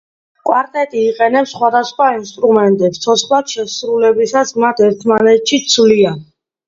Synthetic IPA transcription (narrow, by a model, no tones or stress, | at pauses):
kʼwaɾt̪ʼɛt̪ʼiːqʼɛnɛpsːχwad̪asχwainst̪ʼɾumɛnt̪ʼɛpst̪sʰɔt̪sʰχlˠad̪̥ʃɛsɾulɛbisasmat̪ʰɛɾt̪ʰmanɛt̪ʃit̪sʰlia